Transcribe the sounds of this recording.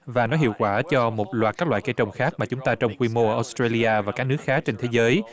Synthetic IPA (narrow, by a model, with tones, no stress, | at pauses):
vaː˨˩nɔ˨˦ɦḭ˧˨əwkwaː˧˩t͡ɕɔ˧mo˨˩t̚lwaː˨˩t̚kaː˦˥k̚la̰ː˧˨jke˧jt͡ɕə˨˩wŋ͡mxaː˦˥k̚maː˨˩t͡ɕʊ˨˦ŋ͡mt̪aː˧t͡ɕwŋ͡mkwi˧mo˧ʔəː˧˩ʔɔ˨˦˥st̪ɾa˧li˧ʔaː˧vaː˨˩kaː˦˥k̚nɨ˦˥əkxaː˦˥k̚t͡ɕe˧nt̪ʰe˨˦zəː˨˦j